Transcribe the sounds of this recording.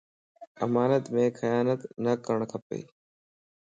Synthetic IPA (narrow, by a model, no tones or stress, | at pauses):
əmaːnət̪mẽːxəjaːnət̪nəkəɳ̃kʰəpḛː